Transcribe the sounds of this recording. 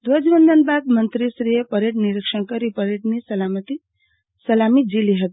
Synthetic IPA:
d̪ʋəd͡ʒbənd̪ənbad̪̚mənt̪ɾisɾijepəɾeʈniɾikʂənkəɾipəɾeʈnisɐlamət̪i | səlamid͡ʒiliɦət̪i

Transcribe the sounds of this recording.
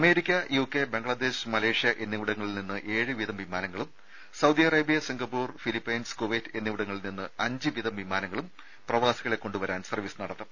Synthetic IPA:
ɐme̞ːɾikʲːɐjuːkːebe̞ŋɡɭɐd̪e̞ːɕmɐle̞ːʂjɐʔe̞nːiʋiɽɐŋːɐɭilninːɨʔe̞ːɻɨʋid̪ɐmʋimaːnɐŋːɐɭum | sɐwd̪iɐrɐːbijɐsiŋɡɐpːuːrfilipːɐjnskoʋeːtːe̞nːiʋiɽɐŋːɐɭilninːɨɐɲd͡ʑɨʋiðɐmʋimaːnɐŋːɐɭum | prɐʋaːsiɣɐɭekːo̞ɳɖuʋɐɾaːnsɐrʋisɨnɐɽɐt̪ːɐ

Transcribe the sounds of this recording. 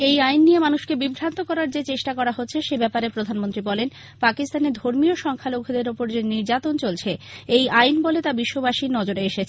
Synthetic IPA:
ejajnːijemanuʃkebibʱɾant̪okɔɾaɾd͡ʑet͡ɕeʃʈakɔɾaɦotːɕʰeʃebɛpaɾepɾod̪ʱanmont̪ɾibɔlen | pakist̪aned̪ʱoɾmioʃɔŋkʰalokʰod̪eɾopoɾd͡ʑeniɾd͡ʑat̪ont͡ɕolt͡ɕʰeejajnbolet̪abiʃːobaʃinɔd͡ʑoɾeeʃet͡ɕʰe

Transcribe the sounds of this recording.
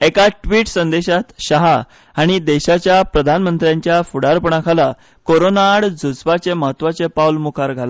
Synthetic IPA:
ekaʈʋiːʈsənd̪eɕat̪ɕaɦaː | ɽ̃id̪eɕat͡ɕjapɾəd̪ʱanmənt̪ɾjãɲt͡ɕjafuɽaɾpəɳ̃akʰala | koɾonaɽd͡zʱud͡zʋat͡seməɦət̪ːʋat͡sepawlmukʰaɾɡʱala

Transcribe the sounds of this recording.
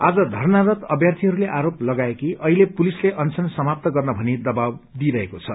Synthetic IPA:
ad͡zʌd̪ʱʌrnaɾʌt̪ʌbjart̪ʰiɦʌɾuleʔaɾoplʌɡaekiʔʌɦilepulisleʔʌnt͡sʰʌnsʌmap̚t̪ʌɡʌrnʌbʱʌnid̪ʌbabd̪iɾʌɦekot͡sʰʌ̰

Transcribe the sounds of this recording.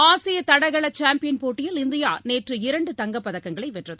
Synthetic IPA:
aːsɪjɐt̪ɐɽɐɣɐɭɐt͡ʃaːmpɪjɐnpoːʈːɪjɪlɪnd̪ɪja̰ːneːʈrɯɪɾɐɳɖɯt̪ɐŋɡɐpːɐðɐkːɐŋɡɐɭɐɪʋɛʈrɐðɯ

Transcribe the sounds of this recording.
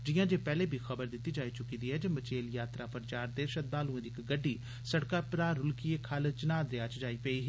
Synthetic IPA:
d͡ʒɪjãːd͡ʒeːpɛːleːbʱiːxəbəɾd̪ɪt̪ːiːd͡ʒaːiːt͡ʃʊkiːd̪iːɦɛːd͡ʒemət͡ʃeːljaːt̪ɾaːpəɾət͡ʃaːɾt̪eːʃəd̪̚baːlũːẽd̪iːɪkɡəɖːiː | səɽkaːpɾaːɾʊlkiekʰəlt͡ʃənaːd̪eaːt͡ʃd͡ʒaːiːpeiːɦ

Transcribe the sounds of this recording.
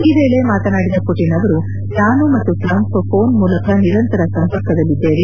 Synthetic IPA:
iʋe̞ːɭe̞maːt̪ɐnaːɽid̪ɐkoʈinɐʋɐɾu | naːnumɐt̪ːuʈɾɐŋkpo̞ːnmuːlɐkʰɐniɾɐnt̪ɐɾɐsɐmpɐɾkɐd̪ɐlːid̪ːe̞ːʋi

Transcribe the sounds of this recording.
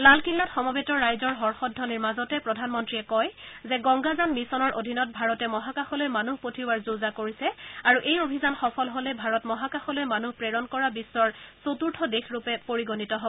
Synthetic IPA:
lalkilːatxɔmɔbetɔːajzɔɹɦɔɹxɔdʱɔniɹmazɔtɛpɹɔdʱanmɔntɹiɛkɔjzɛɡɔŋɡazanmisɔnɔɹʔodʱinɔt̚bʱaɹɔtɛmɔɦakaxɔlojmanuɦpotʰiwaɹzuzakoɹisɛaɹuʔejobʱizanxɔpʰɔlɦolɛbʱaɹɔtmɔɦakaxɔlojmanuhpɹɛɹɔnkɔɹabisːɔɹsotuɹtʰɔdexɹupɛpoɹiɡonitɔɦobɔ

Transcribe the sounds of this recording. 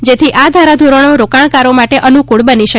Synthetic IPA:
d͡ʒet̪ʰiʔad̪ʱaɾad̪ʱuɾonoɾokaɭkaɾomaʈeʔənukuɭbəniʃə

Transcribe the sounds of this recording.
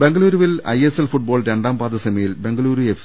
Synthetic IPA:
be̞ŋɡɐluːɾuʋilɐ̰jeselfuʈ̚bo̞ːlɾe̞ɳɖaːmpaːd̪ɐsɐmɐjilbe̞ŋɡɐɭuːɾuef

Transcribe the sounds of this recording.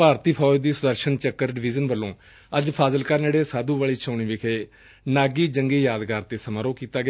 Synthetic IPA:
paːɾt̪iːpʰɔːd͡ʒd̪iːsʊd̪əɾʃənt͡ʃəkːəɾɖɪʋiːd͡ʒənʋəlːõː | əd͡ʒpʰaːzəlkaɾneːɽeːsaːd̪uːʋaːɭiːt͡ʃʰaːɳiːʋɪkʰeː | naːɡiːd͡ʒəŋɡiːjaːd̪ɡaːɾt̪eːsəməɾõːkiːt̪aːɡɪ

